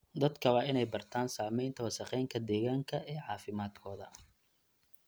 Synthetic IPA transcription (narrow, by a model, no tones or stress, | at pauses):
d̪ɐd̪kʰɐwɑːɪnɛjbɐrt̪ʰaːnsaːmɛjnt̪ʰɐwɐsɐqɛjŋkʰɐd̪ɛːɣaːŋkʰɐɛːʕɑːfɪmaːd̪̚kʰɔːðɐ